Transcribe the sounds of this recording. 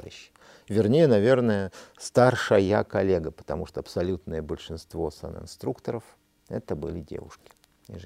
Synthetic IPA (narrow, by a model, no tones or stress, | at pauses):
jɕːɪ̥ | vʲɪrnʲejənɐvʲe̞rnəjəst̪arʂəjəjakɐlʲeɡəpə̥t̪ɐmuʂt̪oɐpsɐlʲut̪nəjəbəlʲʂɨnst̪vo̞sa̰nɨ̰ɪ̰nst̪ɾukt̪əɾəf | ɛ̰t̪əbɨlʲɪdʲḛvʊ̰ʂkʲɪ̥ | ɪ̰ʐ